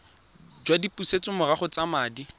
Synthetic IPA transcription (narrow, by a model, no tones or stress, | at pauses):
d͡ʒwadipʼuset͡sʼʊmʊraχɔt͡samaːdi